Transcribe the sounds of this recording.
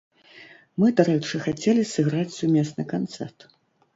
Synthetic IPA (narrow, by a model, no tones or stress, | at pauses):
mɨd̪aɾɛt͡ʂɨxat͡sʲɛlʲisɨɣɾat͡sʲsumʲɛsnɨkant̪sɛrt̪